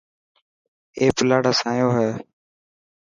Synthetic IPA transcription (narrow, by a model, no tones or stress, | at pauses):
eːplaːɽaːsãːjõːɦɛː